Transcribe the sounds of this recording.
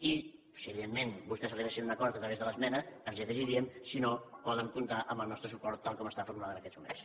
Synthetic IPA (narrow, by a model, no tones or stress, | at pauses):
i | siəβiðenmenbust̪ɛzəliɣesinunəkɔɾt̪ət̪ɾəβezðələzmɛnəənziðəʒiɾiəmsinopɔðəŋkunt̪aʔəmbəlˠnɔst̪ɾəsupɔɾt̪ːalˠkɔməst̪afukulaðənəkɛzmumḛns